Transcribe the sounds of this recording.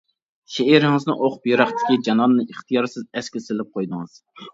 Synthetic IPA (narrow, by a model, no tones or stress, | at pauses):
ʃeiɾɪŋɨznɨ̰ŋʔoqʊ̥pjeɾɑχt̪ʰɪ̥kʲid͡ʒɑnɑnːɨiχt̪ʰijɑɾsɨzɛskʲɪsɪlɪp̚qʰojd̪ɨŋɨz̥